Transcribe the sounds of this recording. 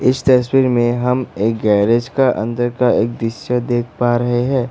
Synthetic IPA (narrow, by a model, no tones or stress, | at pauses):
ɪst̪ɐswiːɾmẽɦɐmeːk̚ɡɛːɾeːd͡ʒkaʔɐ̰̃nd̪əɾkaeːk̚d̪ɾɪʃəd̪eːkʰpaɾɐɦeɦɛ̃ː